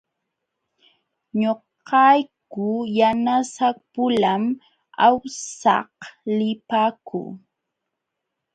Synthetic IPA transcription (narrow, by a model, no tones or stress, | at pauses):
ɲoqqɑjkʊjanasak̚pʊlam | awsɑ̰hlɪpaːkṵ